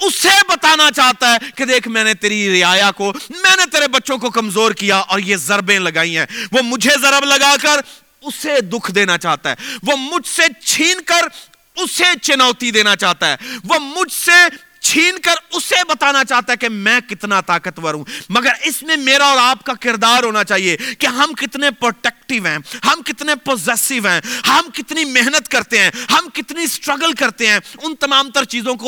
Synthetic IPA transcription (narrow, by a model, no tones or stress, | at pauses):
ʊsebɐt̪aːnat͡ʃaːɦt̪aɦɛked̪eːkʰmɛ̃ːnet̪eːɾiɾɪaːjakomɛ̃ːnet̪eːɾebɐtːʃõkokɐmzoːɾkijaʔɔːɾjezɐɾbẽlɐɡaːĩɦɛ̃ːʋoːmʊd͡ʒʱezəɾəbləɡaːkəɾ | ʊsed̪ʊkʰd̪eːnat͡ʃaːt̪aɦɛ̰ːʋoːmʊd͡ʒʱset͡ʃʰiːnkəɾ | ʊset͡ʃɪnaːt̪id̪eːnat͡ʃaːɦt̪aɦɛ̰ːʋoːmʊd͡ʒʱse | t͡ʃʰiːnkəɾʊsebɐt̪aːnat͡ʃaːɦt̪aɦɛkemɛ̃ːkɪt̪nat̪aːkət̪ʋəɾũːmɐɡəɾɪsmẽmeːɾaɔːɾaːp̚kakɪɾd̪aːɾɦoːnat͡ʃaːɦiekeɦɐmkɪt̪nepɾoːʈɛːk̚ʈɪʋɦɛ̃ːɦɐmkɪt̪nepoːzɛːsɪʋɦɛ̃ːhɐmkɪt̪nimeɦnət̪kɐɾt̪eɦɛ̃ːɦɐmkɪt̪nisʈɾəɡəlkɐɾt̪eɦɛ̃ːʊnt̪ɐmaːmt̪əɾt͡ʃiːzõko